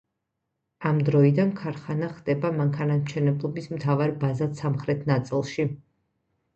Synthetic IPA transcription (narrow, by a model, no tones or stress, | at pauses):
amd̪ɾɔid̪ankʰaɾχanaχd̪ɛbamaŋkʰanamt͡ʃʰɛnɛblˠɔbismt̪ʰavaɾbazat̪samχɾɛt̪ʰnat̪sʼilˠʃi